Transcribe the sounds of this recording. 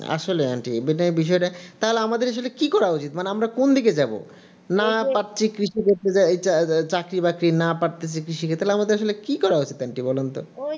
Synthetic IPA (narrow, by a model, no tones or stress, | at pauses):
a̰ʃolea̰nʈibinaebiʃ̬ɔeʈat̪aɦoleamad̪eɾaʃ̬olekikɔɾaut͡ɕit̪maneamɾakond̪ʱik̬ed͡ʑabo̰ | napaʈt͡ɕʰikɾiʃikoɾt̪ed͡ʑaet͡ɕat͡ɕakɾibakɾinapaʈt̪et͡ɕʰikɾiʃiket̪ːalamad̪eɾaʃ̬olekikɔɾaot͡ɕit̪anʈibɔlont̪o̰